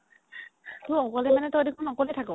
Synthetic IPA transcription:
tuɔkɔlɛmanɛtɔdekʰɔnɔkɔlɛtʰakɔ

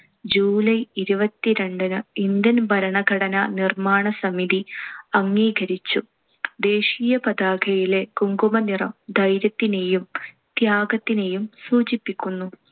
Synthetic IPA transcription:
d͡ʑuːlɐjiɾubɐt̪ːiɾe̞ɳɖɐnɨind̪jɐnbʱɐɾɐɳɐɡʱɐɽɐnɐnirmaːɳɐsɐmiðiɐŋːiːɡɐɾit͡ɕːu | d̪e̞ːʂiːjɐpɐd̪aːɡʰʱɐjile̞kuŋɡumɐnirɐmd̪ɐjɾjɐt̪ːine̞jum | t̪jaːɡɐt̪ːine̞jumsuːt͡ɕipːikʲːunːu

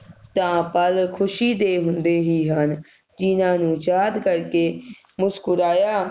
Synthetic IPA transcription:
t̪ãːpəlkʰʊʃiːd̪eːɦʊnd̪eːɦiːɦən | d͡ʒɪnãːnũːd͡ʒaːd̪kəɾkeː | mʊskʊɾaːjaː

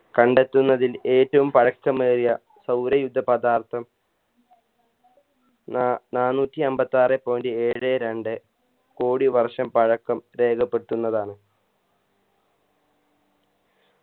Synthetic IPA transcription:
kɐɳɖet̪ːunːɐðile̞ːtːɐʋumpɐɻɐkːɐmeːrijɐ | sɐwɾɐjud̪ʱːɐpɐd̪aːrt̪ʰɐm | naːnːuːtːiɐmbɐt̪ːaːrepːoːndie̞ːɻɨeɾeɳɖɨ | koːɽiʋɐrʂɐmpɐɻɐkːɐmɾe̞ːɡɐpːe̞t̪ːunːɐðaːɳɨ

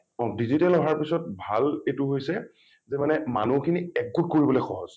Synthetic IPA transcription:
ɔdizitɛlɔɦaɹpisɔt̚bʱaletʊɦojsɛ | zɛmanɛma̰nukʰiniɛɡɡut̚koɹibɔlojxɔɦɔ̰z

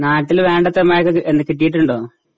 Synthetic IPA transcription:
naːʈːilʋe̞ːɳɖɐt̪ːemːaːjɐkːɨenːɨkiʈːijiʈ̬ːuɳɖo̞ː

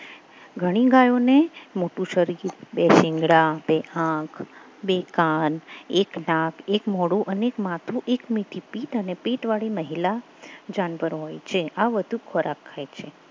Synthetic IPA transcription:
ɡʱəɽ̃iɡajonemoʈũʃəɾiɾbeʃɪŋɡɽabeʔãkʰ | bekaneknakʰekmɔɽuʔənekmat̪ʰuʔekmiʈʰipiʈənepiʈʋaɭiməɦila | d͡ʒanpəɾɦojt͡ʃʰeʔaʋəd̪ʱukʰɔɾʔakʰːajt͡ʃʰe

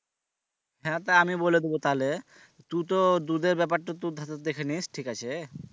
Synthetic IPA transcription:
ɦɛ̃t̪aamiboled̪ebot̪ale | t̪ut̪̬od̪ud̪eɾbɛpaɾʈot̪ud̪ʱat̪d̪ekʰenisʈʰikat͡ɕʰe

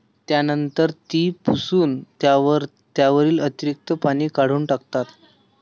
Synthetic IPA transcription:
t̪janənt̪əɾt̪iːpusuːnt̪jaʋəɾ | t̪jaʋəɾiːlət̪iɾik̚t̪əpaɽ̃iːkaɽ̤uːnʈakt̪at̪

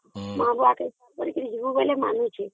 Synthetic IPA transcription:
mãbuake | pəɾikɾid͡ʒʋubolema̰nũt͡ʃʰe

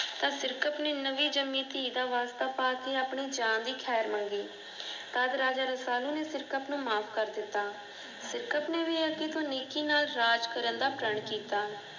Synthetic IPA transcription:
t̪ãːsɪɾkəpneːnəʋiːd͡ʒəmːiːt̪iːd̪aːʋaːst̪aːpaːkeːaːpɳeːd͡ʒãːnd̪iːkʰɛːɾmə̃ŋɡiː | t̪əd̪ɾaːd͡ʒaːɾəsaːlũːneːsɪɾkəpnũːmaːpʰkəɾd̪ɪt̪ːaː | sɪɾkəpneːʋiakɪt̪õːneːkiːnaːlɾaːd͡ʒkəɾənd̪aːpɾəɳkiːt̪aː

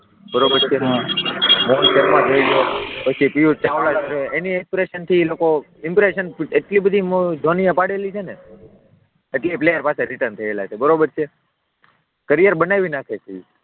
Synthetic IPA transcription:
bəɾobəɾt͡ʃʰeɦã | molkəɾmãt̪ʰəilopət͡ʃʰipijut͡ʃaʋlat͡ʃoɾeeniekspɾeʃənt̪ʰiloko | ɪmpɾeʃəneʈlibəd̪ʱimod͡ʒ̪ʱoniəpaɽelit͡ʃʰene | əʈliplejəɾpaseɾiʈənt̪ʰəela̰t͡ʃʰebəɾobəɾt͡ʃʰe | kəɾijəɾbənaʋinakʰet͡ʃi

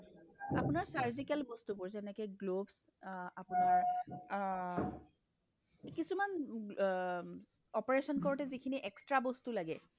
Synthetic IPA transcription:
apunaɹsaɹzikɛlbɔst̪upʊɹzɛnɛkɛɡlobsapunaɹ | kisuman | ɔpɔɹesɔnkɔɹɔtɛzikʰiniʔɛkstɹabɔstulaɡɛ

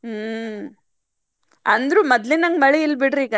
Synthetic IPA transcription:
ɐnd̪ɾuːmɐd̪linɐŋɡmɐɭeilbiɽɾiːɡɐ

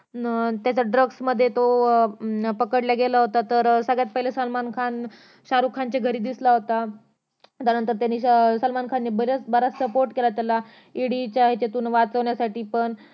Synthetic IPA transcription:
t̪jat͡ɕaɖɾəɡsməd̪ʱːjet̪o | pəkəʈljaɡelaɦot̪at̪əɾsəɡjat̪̚pəɦilesəlmankʰan | ɕaɾukʰant͡ɕeɡʱəɾiːd̪islaɦot̪a | t̪jaɾnənt̪əɾt̪janːiːsəlmankʰanːiːbəɾət͡sbəɾat͡ssəpoɾʈkelat̪jala | iɽit͡ɕjaɦet͡ɕet̪uːnʋat͡səʋɳjasaʈiːpəɳ

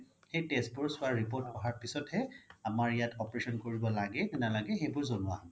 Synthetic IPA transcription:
xejtesbʊɹsʊaɹɹipoɹtɔɦaɹpisɔthɛamaɹijatʰɔpɹesɔnkoɹibɔlaɡɛtinalaɡɛxejbʊɹzonʊwaɦɔ̃n

